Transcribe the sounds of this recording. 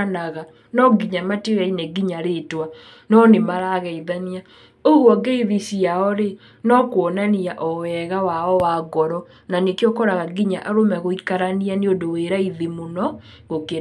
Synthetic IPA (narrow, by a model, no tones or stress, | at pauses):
anaɣa | nɔɡiɲamateɣainɛɡiɲaɾetwa | nɔnemaɾaɣɛiðania | oɣwɔɡɛiðisiaɔɾe | nɔkwɔnaniaʔɔwɛɣawaɔwaɡɔɾɔ | nanekeɔkɔɾaɣaɡiɲaʔaɾomɛɣoikaɾanianeodoweɾaiðimonɔ | ɣokeɾa